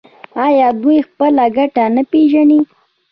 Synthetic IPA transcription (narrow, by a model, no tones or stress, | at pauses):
ɑjɑd̪ujxpəlaɡaʈanapeʒani